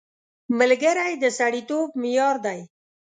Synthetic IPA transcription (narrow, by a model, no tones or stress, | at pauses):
məlɡəɾajd̪əsaɽit̪oːb̚mijɑːɾd̪aj